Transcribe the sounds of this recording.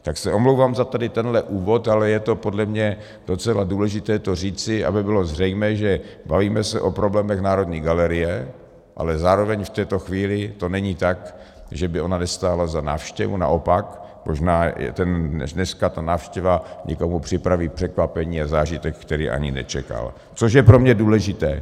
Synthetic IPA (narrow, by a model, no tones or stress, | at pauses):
t̪aksɛʔomlowvaːmzat̪adɪt̪ɛnɦlɛʔuːvo̞t̪alɛjɛt̪o̞po̞dlɛmɲɛ | d̥o̞t͡sɛladuːlɛʒɪt̪ɛːt̪or̝iːt͡sɪʔa̰bɪbɪlo̞zr̝ɛjmɛːʒɛ | baviːmɛsɛʔopɾoblɛːmɛxnaːɾo̞d̪ɲiːɡalɛɾɪjɛ | ʔa̰lɛzaːɾovɛɲft̪ɛːt̪o̞xviːlɪt̪o̞nɛɲit̪ak | ʒɛbɪʔo̞nanɛst̪aːlazana̰ːfʃcɛ̰vṵna̰ʔo̞pak | mʔoʒnaːjɛ̰t̪ɛnɛdnɛskat̪anaːfʃcɛvaɲɛ̰komupr̥ɪpɾaviːpr̝̥ɛkvapɛɲiːazaːʒɪt̪ɛkːt̪ɛɾiːʔa̰ɲɪnɛ̰t͡ʃɛ̰ka̰l | t͡soʃ̬jɛpɾomɲɛduːlɛʒɪt̪ɛ̰ː